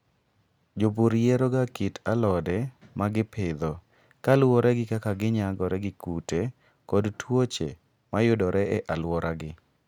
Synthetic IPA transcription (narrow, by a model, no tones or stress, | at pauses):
d͡ʒoboɾjeɾoɡakitʰalɔdɛmaɡɪpʰɪd̪ɔ | kalwɔɾɛɡɪkakaɡɪɲaɡɔɾɛɡɪkute | kɔdtʰwot͡ʃḛ | majʊdɔɾʔɛɛʔalwɔɾʔaɡɪ